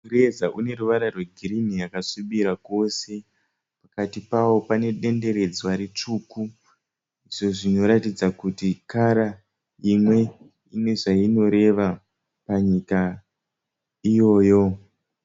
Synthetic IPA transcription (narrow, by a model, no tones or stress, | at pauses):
uɾezaʔune̞ɾuʋaɾarweɡʱiɾinijakaʂiɓiɾako̞se̞ | pakatipawo̞pane̞ɗe̞nde̞ɾe̞d͡zwaɾet͡ʂuːku | iʐo̞ʐino̞ɾatid͡zakutikaɾa | imwe̞ | ine̞ʐaino̞ɾe̞ʋa | paɲika | ijo̞ːjo̞